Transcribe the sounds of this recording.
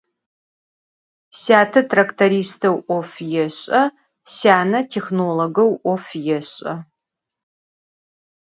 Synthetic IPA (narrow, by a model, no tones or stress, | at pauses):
saːtʰɐtʰrɐktʰɐɾiːstʰɐwʔʷɔfjɛɕʼɐ | saːnɐtʰexnoːloɡɐwʔʷɔfjɛɕʼɐ